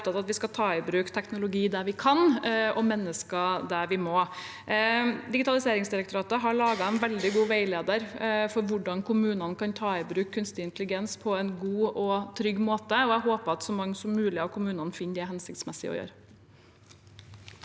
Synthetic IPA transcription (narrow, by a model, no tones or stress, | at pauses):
pt̪ɑt̪ɑt̪ʋɪskɑt̪ʰɑːɪbɾʉːkt̪ʰɛknʊlʊɡiːd̪æɾʋɪkʰɑnɔmɛnːəskɑd̪æɾʋɪmɔ | d̪ɪɡɪt̪ɑlɪseːɾɪŋsd̪ɪɾɛk̚t̪ʊɾɑːt̪əɦɑɭɑːɡɑɛnʋɛld̪ɪɡuːʋæɪleːd̪əɾfɔɾʋʊɖɑnkʰʊmʉːnənkʰɑnt̪ʰɑːɪbɾʉːkʰːʉnst̪ɪɪnt̪əlɪɡɛnspʰɔɛnɡuːɔt̪ʰɾʏɡːmoːt̪əɔæɦoːpəɑt̪sɔmɑŋːəsɔmːʉːlɪɑʋkʰʊmʉːnɑnfɪnːd̪ɪæhɛnsɪk̚t̪smɛsɪ̰ɔ̰jø̰ːɾə